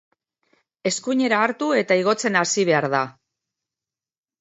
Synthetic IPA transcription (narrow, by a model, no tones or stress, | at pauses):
e̞skuɲe̞ɾaːɾt̪ue̞t̪aiɣ̞o̞t͡se̞nasiβ̞e̞aɾða